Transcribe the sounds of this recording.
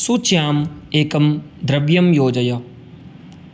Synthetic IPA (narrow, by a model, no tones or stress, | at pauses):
sut͡ʃjaːmeːkɐmd̪ɾɐbjɐmjoːd͡ʒɐjɐ